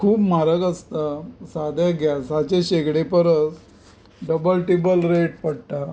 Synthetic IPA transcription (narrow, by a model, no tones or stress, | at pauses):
kʰuːpmaɾəɡəst̪asad̪ʱjaɡjasat͡ɕeɕeɡɽepəɾət͡s | ɖəbəlʈibəlɾeʈ̚pəɽt̪a